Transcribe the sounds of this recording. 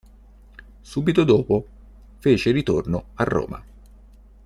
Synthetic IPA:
suːbit̪od̪oːpo | feːt͡ʃeɾit̪ornoarːo̰ːma̰

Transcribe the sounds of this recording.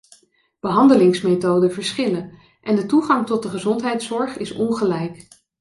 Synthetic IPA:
b̥əɦɑndəlɪŋsmetowdəvəɹsχɪlə | ʔɛndətuχɑŋtɔt̚dəχəzɔntɦɛjtsɔɹχɪsɔnχəlɛjk

